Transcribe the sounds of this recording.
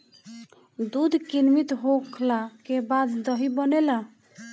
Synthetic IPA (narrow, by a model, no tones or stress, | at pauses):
d̪ud̪ʱkinmit̪ɦokʰlakebad̪d̪əɦibənela